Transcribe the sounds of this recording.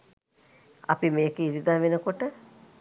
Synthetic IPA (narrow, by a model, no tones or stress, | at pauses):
a̰pimeːkeiɾid̪aʋenəkoʈə